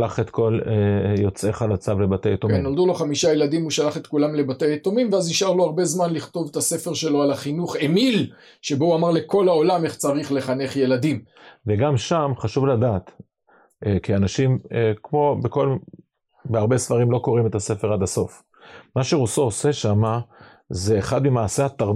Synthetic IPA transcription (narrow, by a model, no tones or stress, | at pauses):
laχet̪ko̞lejo̞t͡seχalat͡savle̞bat̪ejat̪okinːo̞ld̪ulo̞χamiʃajelad̪imuʃalaχe̞t̪kulamle̞batejat̪omimveaziʃaʁloaʁbe̞zmanliχt̪o̞vet̪ase̞feʁʃe̞lo̞alaχinuχe̞mil | ʃe̞bouamaʁle̞ko̞lao̞lame̞χt͡saʁiχle̞χane̞χje̞ladimveɡamʃamχaʃuvlad̪aːt̪ | kianaʃimkmo̞beko̞l | beaʁbe̞sfaʁimloko̞ʁime̞t̪ase̞feʁad̪aso̞f | maʃeʁosoose̞ʃama | ze̞ːχad̪mimaːsehat̪aʁ